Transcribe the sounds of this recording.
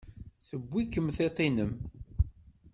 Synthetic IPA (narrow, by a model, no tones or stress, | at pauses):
θəbʷːikːəmθet̪ˤinəm